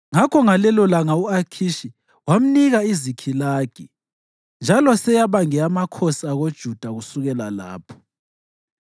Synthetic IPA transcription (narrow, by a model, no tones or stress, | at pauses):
ŋakʰɔŋalɛlɔlaŋauakʰiʃi | wam̩niɣaizikʰilaːɡ̥ʱi | nd͡ʒʱalɔsɛjaβaŋɛamakʰosiaɣod̥ʒ̥ʱud̥ʱaɣusuɣɛlala̰ːpʰɔ̥